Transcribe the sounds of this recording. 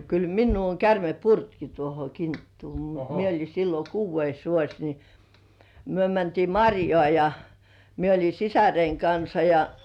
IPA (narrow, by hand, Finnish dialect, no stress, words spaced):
kyl minːuː oŋ kærme purtki tuoho kintːuː mut mie olʲi silːo kuːʋːeis ʋuosʲ ni myø mæntiː mɑrʲjoɑˑ jɑ mie olʲi sisæreiŋ kɑnsɑ jɑ